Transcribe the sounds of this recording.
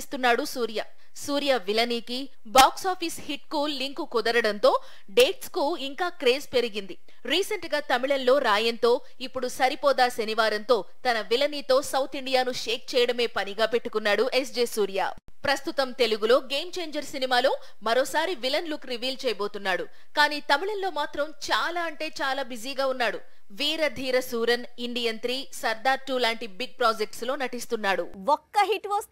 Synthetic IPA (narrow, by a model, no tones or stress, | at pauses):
ist̪unːaːɽusuːɾijaː | suːɾijaːʋilɐniːki | baːksaːpʰiːshiʈ̚kuːlːiŋkukud̪ɐɾɐɽɐnt̪o̞ː | ɖe̞ːʈskuiŋkaːkɾe̞ːzpe̞ɾiɡind̪i | ɾiːsɐɳʈɡaːt̪ɐmiɭɐnlo̞ːɾaːjɐnt̪o̞ː | ipːuɽusɐɾipɔːd̪aːseniʋaːɾɐnt̪o̞ːt̪ɐnɐʋilɐniːt̪o̞ːsɐwt̪ʰiɳɖijaːnuʂeːk̚t͡ʃɛːjɐɽɐme̞ːpɐniɡaːpe̞ʈːukunːaːɽuʔe̞s̬d͡ʒeːsuːɾija̰ː | pɾɐst̪ut̪ɐmt̪e̞luɡulo̞ːɡeːmt͡ʃe̞ːɲd͡ʒɐɾsinimaːloː | mɐɾo̞ːsaːɾiʋilɐnlukɾiʋiːlt͡ʃɛːjɐbo̞ːt̪unːaːɽu | kaːniːt̪ɐmiɭɐnlo̞ːmaːt̪ɾɐmt͡ʃaːlaːɐɳʈe̞ːt͡ʃaːlaːbid͡ʒiːɡaːunːaːɽu | ʋiːɾɐd̪ʱiːɾɐsuːɾɐn | iɳɖijɐnt̪ɾiːsɐɾd̪aːɾʈːuːlaːɳʈibiɡ̚pɾaːd͡ʒek̚ʈslo̞ːnɐʈist̪unːaːɽuwɔkːɐɦiʈʋɐːs